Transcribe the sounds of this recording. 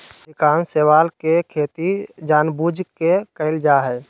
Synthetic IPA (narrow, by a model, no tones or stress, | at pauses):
d̪ikaːnsewalkekʰet̪id͡ʒaːnbud͡ʒkekəɪld͡ʒaɦɛ